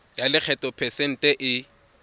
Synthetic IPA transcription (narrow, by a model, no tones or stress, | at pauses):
jalɪk͡xʰɛtʼɔpʰɛsɛn̩tʼɛʔɪ